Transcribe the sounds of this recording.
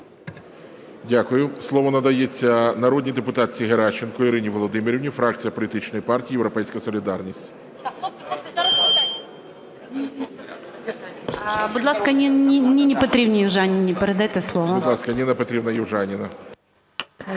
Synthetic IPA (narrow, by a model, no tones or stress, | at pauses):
dʲakʊjʊslˠɔʋɔnɐd̪ɐjet͡sʲːɐnɐɾɔdʲnʲijd̪epʊt̪ɑt̪̚ʲt͡sʲiɦeɾɑt͡ʃːenkɔiɾɪnʲiʋɔlˠɔd̪ɪmɪɾʲiʋnʲifɾɑk̚t͡sʲijɐpɔlʲit̪ɪt͡ʃnɔjipɑrtʲiiːjewɾɔpɛjsʲkɐsɔlʲid̪ɑrnʲisʲtʲ | bʊd̪lˠɑskɐnʲinʲnʲinʲɪpɔt̪ɾʲibnʲɪjɪwʒanʲɪnʲɪpeɾed̪ajt̪ɛslˠɔʋɔʊd̪lˠɑskɐnʲinɐpɔt̪ɾʲibnɐjɪwʒɑnʲinɐ